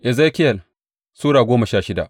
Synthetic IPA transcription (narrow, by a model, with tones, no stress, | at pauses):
ʔɛ˨zeː˦kʲɪ˦jɐ˨l | suː˦ɽaː˨ɡʷoː˦mɐ˨ʃaː˦ʃɪ˦da̰˨ʔ